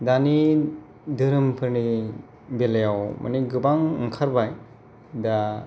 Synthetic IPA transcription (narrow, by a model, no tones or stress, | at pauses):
dani | dɯɾɯmpʰɯɾni | belejawma̰niɡɯbaŋɯŋkʰaɾbaj | da